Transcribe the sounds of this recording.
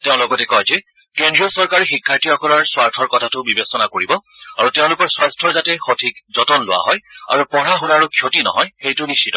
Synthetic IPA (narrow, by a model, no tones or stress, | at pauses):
teʊ̃lɔɡɔtɛkɔjzɛ | kendɹijɔsɔɹkaɹixikʰːaɹtiɔkɔlaɹswaɹtʰɔɹkɔtʰatʊbibesɔnakoɹibɔaɹuteʊ̃lʊkɔɹswastʰɔɹzatɛxotʰikzɔtɔnlʊwa̰ɦɔja̰ɹupɔɹaɦʊnaɹukʰjotinɔ̰ɦɔjxejtʊnistʰitɔ